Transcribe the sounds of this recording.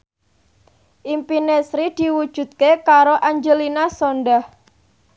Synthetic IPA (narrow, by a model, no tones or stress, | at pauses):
ʔimpinesɾid̪̥iwu̥ʒ̥ṳt̪̚kekaɾoʔaɲd͡ʒəlinasonɖah